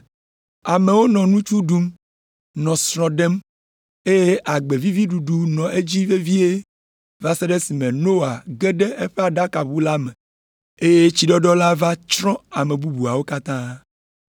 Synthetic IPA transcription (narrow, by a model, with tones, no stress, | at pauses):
a˨me˨wo˦nɔ̃˨nũ˦t͡ʃu˦ɖu˦m | nɔ̃˨sɾɔ̃˨ɖɛ˦m | e˦je˦ʔa˨ɡ͡be˨vi˦vi˦ɖu˨ɖu˨nɔ̃˨ʔe˦d͡ʑi˦ve˦vi˦e˦ | va˦se˦ɖe˦si˨mẽ˨no˦a˨ɡe˦ɖe˦e˦ɸe˦a˨ɖa˦ka˨βu˦la˦mɛ̃˨ | e˦je˦t͡ɕi˨ɖɔ˦ɖɔ˦la˦va˦t͡ʃɾɔ̃˦a˨mẽ˨bu˦bu˨a˨wo˦ka˦t̪ã˦